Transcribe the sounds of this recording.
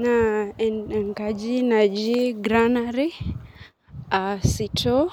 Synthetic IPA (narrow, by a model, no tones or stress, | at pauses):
naɛnɛŋkad͡ʒinad͡ʒiɡɾanaɾi | asito